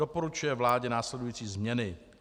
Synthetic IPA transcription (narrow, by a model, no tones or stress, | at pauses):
opo̞ɾut͡ʃujɛvlaːɟɛnaːslɛdujiːt͡siːzmɲɛnɪ